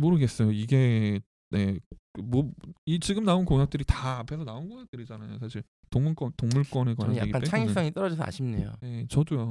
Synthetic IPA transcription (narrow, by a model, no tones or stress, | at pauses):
moɾɯɡe̞s͈ʌjoiɡe̞ | ne̞ɯmwʌit͡ɕiɡɯmnaunkoŋjak̚t͈ɯɾitaːpʰe̞sʰʌnaonɡoŋjak̚t͈ɯɾid͡ʑanajo̰sʰaɕ̬ʰiɭ | toŋmuɭk͈wʌntoŋmuɭk͈wʌneɡʌɾaɲjaeɡik͈anpesʰaŋis͈aŋit͈ʌɾʌd͡ʑisʰʌa̰ɕʰimnejo̰jet͡ɕʌdujo